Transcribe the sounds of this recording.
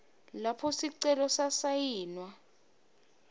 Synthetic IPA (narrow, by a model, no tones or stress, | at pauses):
lapʰɔsiǀɛlɔsasajiːnwa